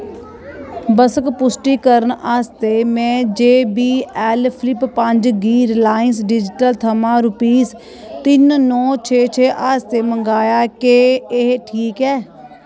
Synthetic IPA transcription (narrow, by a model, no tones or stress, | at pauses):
bəsəkpʊsʈiːkəɾənaːst̪eːmɛ̃ːd͡ʒeːbiːɛːlpʰlɪpːəɲd͡ʒɡiːɾlaːɪnsɖɪd͡ʒɪʈəlt̪ʰəmãːɾʊpiːs | t̪ɪnnɔːt͡ʃʰeːt͡ʃʰeːʔaːst̪eːməŋɡaːjaːkeːeɦʈʰiːkɛː